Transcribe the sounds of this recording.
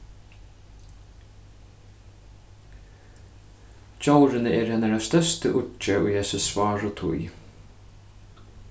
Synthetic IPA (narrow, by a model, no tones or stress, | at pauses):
t͡ʃowɾɪnəɛːɾhɛːnəɾast̪œst̪əʔʊt͡ʃːəʊjhɛsɪsʋɑːɹʊt̪ʰʊ̰j